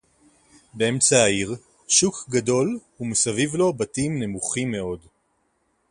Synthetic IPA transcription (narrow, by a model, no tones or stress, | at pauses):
be̞e̞mt͡saːiʁ | ʃukɡado̞lhumesavivlo̞batimne̞muχimːe̞o̞d